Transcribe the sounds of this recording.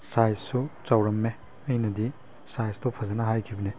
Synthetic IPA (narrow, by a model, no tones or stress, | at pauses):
sajssut͡ʃɐwɾɐmːe | ɐjnɐdi | sajstopʰɐzɐnɐɦajkʰibɐne